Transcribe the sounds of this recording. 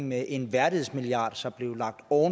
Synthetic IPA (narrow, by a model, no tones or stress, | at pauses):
ŋmeʔe̝nʋæɐɾ̥ið̩̰ˠsmiliɑ̰̈ːd̥sɒ̽mb̥le̝ʊlɑ̈ɡ̥̚d̥ɒʊn